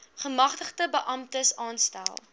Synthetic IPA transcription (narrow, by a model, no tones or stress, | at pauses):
χəmɐχtəχtəbəʔɐmtəsɑːnstæ̰lˠ